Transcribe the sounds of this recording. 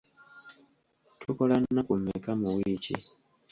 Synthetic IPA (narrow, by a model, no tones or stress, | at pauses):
tʰukolanakumekamuwiːcḭ